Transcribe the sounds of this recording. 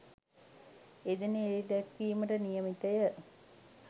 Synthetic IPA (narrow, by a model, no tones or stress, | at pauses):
ed̪eneːid̪ɛkʋiːməʈənijəmit̪əjə